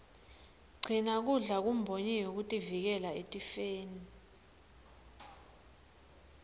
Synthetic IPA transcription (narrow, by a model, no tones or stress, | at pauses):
ɡ͡ǀʱinak̬uɮak̬um̩bʱoɲɛjok̬utʼivik̬ɛlaetʼifeːni